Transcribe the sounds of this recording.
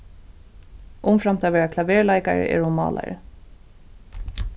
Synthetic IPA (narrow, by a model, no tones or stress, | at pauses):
ʔʊmfɾamt̪ʰɛːʋɛːɹakʰlaʋɛːɹlajkaɹə̰ʔɛ̰ɹʊmɑ̰ːla̰ɹə̰